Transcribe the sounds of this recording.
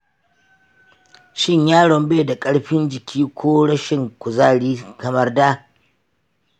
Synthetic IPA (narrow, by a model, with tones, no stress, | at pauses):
ʃɪ˦˨ɲjaː˦ɽɔ˨mbeː˦da˨kʼɐ˦ɽɸɪ˦nd͡ʒɪ˨kʲʰiː˦kʷoː˦ɽɐ˦ʃɪ˦˨ŋkʷʊ˨zaː˦ɽiː˦kɐ˨mɐ˦rdaː˦